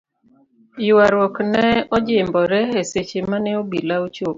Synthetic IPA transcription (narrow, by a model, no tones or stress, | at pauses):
jʊwaɾwɔknɛɔd͡ʒɪmbɔɾɛeset͡ʃemanɛobilaut͡ʃop